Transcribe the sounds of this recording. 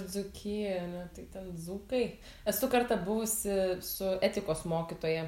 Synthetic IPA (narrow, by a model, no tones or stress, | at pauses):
zʊkʲʰiːɐnʲɛt̪ɐɪt̪ʲɛnzuːkɐɪ | ɛsʊkɐɾt̪ɐbʊʋʊsʲɪsʊɛt̪ʲɪkoːsmoːkʲit̪oːjɛ